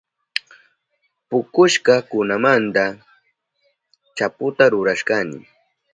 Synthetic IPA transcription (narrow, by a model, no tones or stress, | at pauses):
pʊkʊʃkɑkʊnamant̪a | t͡ʃapʊt̪aɾʊɾaʃkanɪ̰